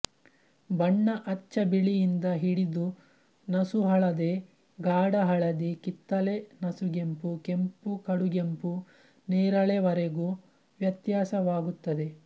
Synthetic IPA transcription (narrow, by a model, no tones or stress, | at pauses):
bɐɳːɐʔɐt͡ʃːɐbiɭijind̪ɐɦiɽid̪u | nɐsuɦɐɭɐd̪e | ɡaːɽɐɦɐɭɐd̪ikit̪ːɐlenɐsuɡempukempukɐɽuɡempu | neːɾɐɭeʋɐɾeɡuː | ʋjɐt̪jaːsɐʋaːɡut̪ːɐd̪e̞